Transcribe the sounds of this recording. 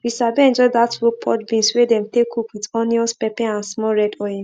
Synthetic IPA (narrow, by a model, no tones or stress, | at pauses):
wisabeɛ̃nd͡ʒɔdatwopʰɔ̰tbĩnswedɛ̃mtekʰukwitɔniɔspɛpɛ̃ãnsmɔɹɛdɔɛ̃n